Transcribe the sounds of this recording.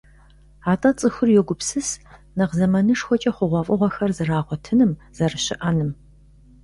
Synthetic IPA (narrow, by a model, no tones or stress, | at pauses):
aːtʼɐt͡sʼɨxʊrjɛɡʷʊpsɨs | nɐqzɐmɐnɨʂxʷɔt͡ʃʼɐχʷʊʁʷɔfʼɨʁʷɔxɐrzɨraːʁʷɔtʰɨnɨm | z̥ɐrɨɕɪʔɐnɨm